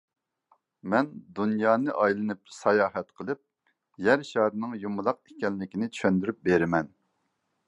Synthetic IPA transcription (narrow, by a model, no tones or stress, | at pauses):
mɛnd̪unjɑːnɨʔɑjlˠɨnɨp̚sɑjɑːɦɛt̪qʰəlˠɨp̚ | jæɾʃɑːɾɨnɨŋjumʊlˠɑq̚ekʲɛnːɪkʲinɪt̪ʰy̥ʃønd̪yɾyp̚beɾɪmɛn